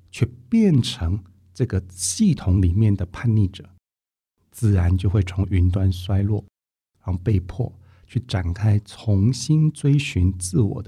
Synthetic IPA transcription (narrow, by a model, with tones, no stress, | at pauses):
t͡ɕʰɥɛ˥˧pjɛ˥˩nʈ͡ʂʰɤ˧˥ŋ | ʈ͡ʂɤ˥˩ɡə˩ɕi˥˩t̪ʰʊ˧˥ŋli˨˩mjɛ˥˩nd̪ə˩pʰa˥˧nli˥˩ʈ͡ʂɤ̰˨˩˦ | t͡sɹ̩˥˩ɻa˧˥nt͡ɕjo˥˧ʊxwe˥˩ɪt͡sʰʊ˧˥ŋy˧˥nt̪wa˥nswa˥ɪlwɔ˥˩ | ɻa˧˥xo˥˧pe˥˧ɪpʰwɔ̰˥˩ | t͡ɕʰy˥˩ʈ͡ʂa˨˩nkʰa˥ɪt͡sʰʊ˧˥ŋɕi˥nt͡swe˥ɪɕy˧˥nt͡sɹ̩˥˩wɔ̰˨˩d̪ə˦